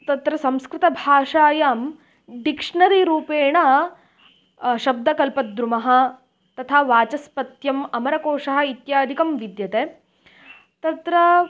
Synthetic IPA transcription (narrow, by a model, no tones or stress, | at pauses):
t̪ɐt̪ɾɐsɐmskɾɪt̪ɐbʱaːʂaːjaːm | d̪ikʂɳɐɾiɾuːpeːɳɐ | ʃɐb̚d̪ʱɐkɐlpɐt̪̚d̪ɾumɐɦɐ̆ | t̪ɐt̪ʰaːʋaːt͡ʃɐspɐt̪jɐmɐmɐɾɐkoːʂɐɦɐ̆it̪jaːd̪ʱikɐmʋid̪jɐt̪eː | t̪ɐt̪ɾɐ